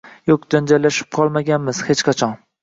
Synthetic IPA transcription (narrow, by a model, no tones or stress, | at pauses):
jokd͡ʒand͡ʒalːaʃɪ̥p̚qʰɒlˠmaɡʲanmɪz̥het͡ʃqʰɑt͡ʃʰɒn